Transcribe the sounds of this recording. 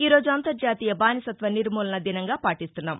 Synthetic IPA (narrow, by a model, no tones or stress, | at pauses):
iːɾo̞ːd͡ʒuɐnt̪ɐɾd͡ʒaːt̪iːjɐbaːnisɐt̪ʋɐniɾmuːlɐnɐd̪inɐŋɡaːpaːʈist̪unːaːm